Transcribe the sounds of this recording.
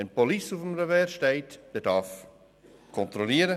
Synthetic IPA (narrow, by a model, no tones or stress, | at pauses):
ɛnpolisufəmrəvɛːɾʃteɪtd̥ɛːdaf | kʰɔntɾoliːəɾə